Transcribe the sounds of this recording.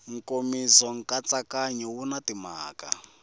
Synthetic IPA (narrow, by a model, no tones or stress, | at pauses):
ŋ̩komizɔŋ̩kat͡sakaɲɛwunatima̰ːka̰